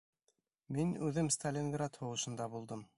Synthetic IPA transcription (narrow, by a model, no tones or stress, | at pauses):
minʉðɘmst̪alʲinɡɾat̪hŭʁɤ̆ʃɤ̆nd̪ɑbulˠd̪ɤm